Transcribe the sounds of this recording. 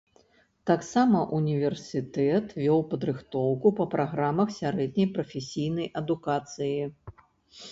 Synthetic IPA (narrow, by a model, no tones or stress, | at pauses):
t̪aksamɐʔunʲivʲɛrsʲɨt̪ɛt̪vʲɔwpɐd̪ɾɨxt̪ɔwkupɐpɾʔaɣɾamɐxsʲaɾɛd̪ʲnʲɐjpɾɐfʲesʲijnɐjʔɐd̪ukat̪sɨji